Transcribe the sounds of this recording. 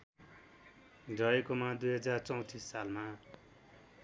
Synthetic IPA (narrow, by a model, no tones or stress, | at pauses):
dʌekomad̪ujɦʌd͡zart͡sʌw̃t̪isːalma